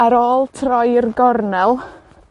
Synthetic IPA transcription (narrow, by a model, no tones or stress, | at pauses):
aɾoːlˠtʰrɔjɪrɡɔrnɛlˠ